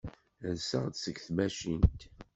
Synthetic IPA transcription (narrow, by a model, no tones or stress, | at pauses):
lsə̰ʁd̪səɡθmæʃint̪